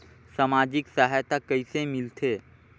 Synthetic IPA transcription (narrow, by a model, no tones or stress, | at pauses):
samad͡ʒiksaɦajt̪akəisemɪlt̪ʰeː